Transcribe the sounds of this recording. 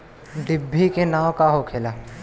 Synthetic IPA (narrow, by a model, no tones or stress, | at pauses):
ɖ̪ɪbʱːikenaːwkaɦokʰeːlaː